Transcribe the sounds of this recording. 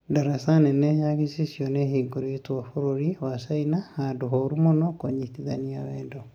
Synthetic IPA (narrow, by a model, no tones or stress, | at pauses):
daɾasanɛnɛjakisisjɔnɛhiɡoɾitwafoɾoɾiwasainahaduɦɔɾumɔnɔkoɲitiða̰niawɛːndo